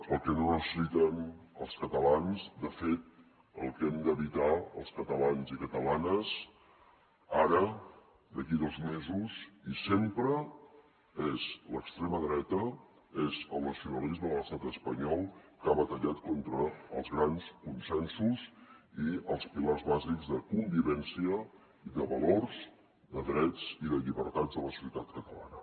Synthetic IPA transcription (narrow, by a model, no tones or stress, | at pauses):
əlˠkənorəsisit̪ɛməlˠskət̪əlanzd̪əfet̪̚ | ə̰lˠkɛmd̪əβit̪aə̰lˠskət̪əlanzikət̪əlanəz | aɾə | d̪əkiðozmezuzisempɾə | ezləkst̪ɾeməðɾɛt̪ə | ezəlˠnəsiunəlizməələst̪at̪əspəɲɔlˠkaβət̪əʎat̪kɔnt̪ɾəːlˠzɣɾanskunsɛnsusiəlˠspilarzβazikzðəkumbiβɛnsiə | iðəβəlorz | ðəðɾɛt͡siðəʎiβəɾt̪ad͡zðələsu̥sət̪at̪kət̪əla̰nə